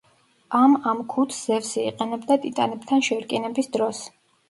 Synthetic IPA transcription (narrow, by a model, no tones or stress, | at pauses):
amamkʰut̪ʰzɛfsiḭqʼɛnɛbd̪at̪ʼit̪ʼanɛbt̪ʰanʃwɛɾkʼinɛbisd̪ɾɔs